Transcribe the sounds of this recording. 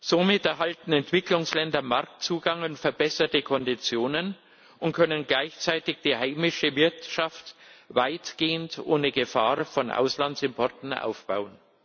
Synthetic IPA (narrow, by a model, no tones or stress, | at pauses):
z̥omɪtɛɐɦaltn̩ɛntv̥ɪklʊŋslɛndɐmaɐk̚t͡suːɡaŋʊntfɛɐbɛsɐtəkʰɔndit͡sjoːnən | ʔʊnt̚kʰœnənɡlaɪçt͡saɪtɪçd̥iːhaɪmɪʃəvɪɐtʃaftvaɪtɡ̥eːəntʔoːnəɡəfaːʁfɔnʔa̰ʊslantsɪmpʰɔɐtn̩ʔa̰ʊfb̥a̰ʊən